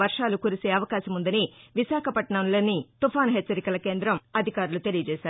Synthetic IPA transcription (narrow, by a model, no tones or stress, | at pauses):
ʋɐɾʂaːlukuːɾise̞ːɐʋɐkaːʃɐmund̪ɐniʋiʃaːkʰɐpɐʈɳaːnulɐnːit̪upaːnɦet͡ʃːɐɾikɐlɐke̞ːnd̪ɾɐmɐd̪ʱikaːɾulut̪e̞lijɐd͡ʒɛːʃaːɾu